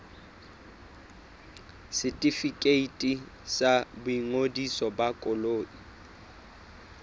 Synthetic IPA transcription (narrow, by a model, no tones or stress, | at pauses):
sɪtʼifikʼeitʼi | sabʊiŋodisɔbakʼʊloːʔi